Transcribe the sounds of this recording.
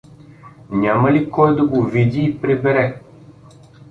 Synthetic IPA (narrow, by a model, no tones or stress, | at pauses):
nʲamɐlikɔjd̪ɐɡovid̪iːpɾɛbɛɾɛ